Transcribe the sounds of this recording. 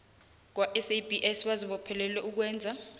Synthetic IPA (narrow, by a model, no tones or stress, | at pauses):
k̬waʔɛsejbʱiʔɛsɓaziɓɔpʰɛlɛlɛuk̬wɛːnd͡zʱa